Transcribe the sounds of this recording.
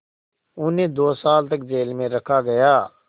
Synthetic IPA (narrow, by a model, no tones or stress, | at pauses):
ʊneːd̪oːsaːlt̪əkd͡ʒeːlmẽːɾəkʰaːɡəjaː